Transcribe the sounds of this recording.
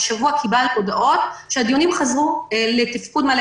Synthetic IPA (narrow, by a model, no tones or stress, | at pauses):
ʃavuakibalkod̪aʔo̞t̪ʃead̪ijonimχazʁule̞t̪ifkud̪mal